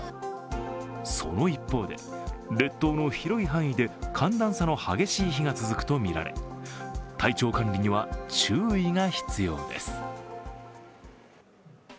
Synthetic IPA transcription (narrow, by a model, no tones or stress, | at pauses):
so̞̰no̞ipːo̞ːd̪e̞̰ɾe̞t̪ːo̞ːno̞çiɾo̞iɦãɰ̃id̪e̞kʰãnd̪ãɰ̃sano̞haɡe̞ɕiːçiŋat͡sɨzɨkɯ̟̥t̪o̞mʲiɾa̰ɾe̞̰ | t̪ʰait͡ɕo̞ːkãnɾʲiɲ̟iβ̞at͡ɕɨːiŋaçi̥t͡sɨjo̞̰ːd̪e̞̰sɨ̥